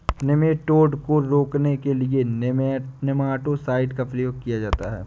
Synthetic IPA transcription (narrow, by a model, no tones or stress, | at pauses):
nɪmeʈoːɖkoɾoːknekelie | nemaːʈosaːɪɖkapɾɐjoːɡ̚kijad͡ʒaːt̪a̰ɦɛ̰ː